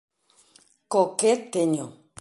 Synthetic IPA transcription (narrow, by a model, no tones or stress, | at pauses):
koket̪eɲo